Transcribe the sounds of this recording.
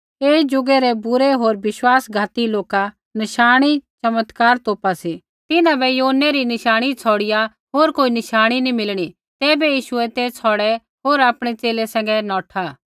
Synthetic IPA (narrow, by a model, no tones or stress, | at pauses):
eːd͡ʒʊɡɛɾɛbʊɾɛɦoːɾʋɪʃwaːsɡʱaːt̪iloːka | nɪʃaːɽ̃it͡ʃɐmət̪kaːɾt̪oːpasi | t̪ɪnãbɛjoːnɛɾinɪʃaːɽ̃it͡sʰɔːɽɪja | ɦoːɾkoːinɪʃaːɽ̃inĩmɪlɽ̃i | t̪ɛːbɛjiːʃʊɛt̪ɛt͡sʰɔɽɛ | ɦoːɾaːpɽ̃ɛt͡seːlɛsɛ̃ːŋɡɛnɔːʈʰa